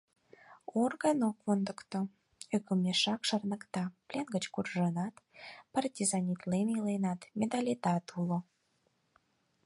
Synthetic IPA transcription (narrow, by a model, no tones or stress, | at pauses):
orɣɑnokond̪əkt̪o | økəmeʃɑkʃɑrnə̆kt̪ɑplʲenɡət͡ɕkurʒənɑt̪pɑrt̪ʲizɑnʲit̪lemilejnɑt̪mʲent̪ɑlʲet̪ɑt̪ulo